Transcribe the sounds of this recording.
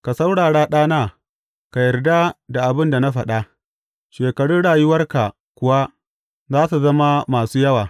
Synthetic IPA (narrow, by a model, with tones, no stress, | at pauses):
ka˨sa˦wɽaː˨ɽaː˦ɗaː˦naː˦˨ | ka˨jɐ˨rda˦da˨ʔa˨bɪ˦nda˨na˦ɸɐ˨ɗa˦ | ʃeː˨kɐ˨ɽʊ˦nɽaː˨jʊ˦wɐ˦rka˨ | kʷʊ˨wa˦ | zaː˦su˨zɐ˦ma˦maː˨suː˦jɐ˦waː˨